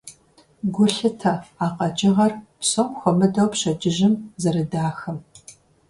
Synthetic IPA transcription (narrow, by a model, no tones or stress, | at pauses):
ɡʷʊɬɨtʰɐfaːqʼɐd͡ʒɪʁɐrpsomxʷɔmɨdɐwpɕɐd͡ʒɪʒɪmzɐɾɨdaːxɐm